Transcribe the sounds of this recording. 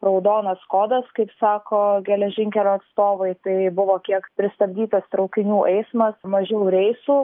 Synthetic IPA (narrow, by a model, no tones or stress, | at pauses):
ɾɐʊd̪oːnɐskoːd̪ɐskɐɪpsɑːkoːɡʲɛlʲɛʒʲɪŋʲkʲɛlʲoːɐt̪st̪oːʋɐɪt̪ɐɪbʊʋoːkʲiɛkpʲɾʲɪst̪ɐbʲd̪ʲiːt̪ɐst̪ɾɐʊkʲɪnʲuːʔɛɪsmɐsmɐʒʲɛʊɾʲɛɪsuː